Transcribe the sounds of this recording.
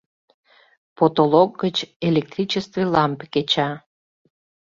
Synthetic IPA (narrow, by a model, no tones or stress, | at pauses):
pot̪oloɡɡət͡ɕelʲek̚t̪ɾʲit͡ɕest̪vilɑmpket͡ɕɑ